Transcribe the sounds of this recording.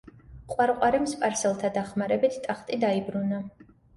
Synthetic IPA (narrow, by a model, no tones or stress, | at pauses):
qʼwaɾqʼwaɾɛmspʼaɾsɛlˠt̪ʰad̪aχmaɾɛbit̪ʰt̪ʼaχt̪ʼid̪aibɾuna